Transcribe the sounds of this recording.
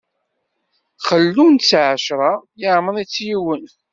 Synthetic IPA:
χəlːunt͡sːʕəʃɾˤɑjəʕmənit͡sːjiwən

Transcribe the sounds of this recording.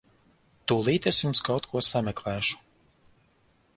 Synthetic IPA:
t̪ulˠiːt̪esjumskawt̪kʰuɔsamɛklˠæːʃu̥

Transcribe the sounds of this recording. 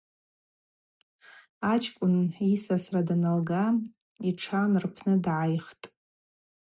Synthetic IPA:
at͡ʃʰʼkʷʼʊnisasradanalɡa | iʈ͡ʂʰanrpʰnɨdʕajχtʼ

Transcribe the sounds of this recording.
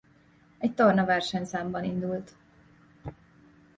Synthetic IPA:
ɛc̚t̪ornɒvɛrʃɛɲsaːmbɒnind̪ult̪

